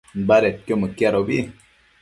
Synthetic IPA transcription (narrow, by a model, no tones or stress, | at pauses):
baɾet̚kjoməkjaɾobi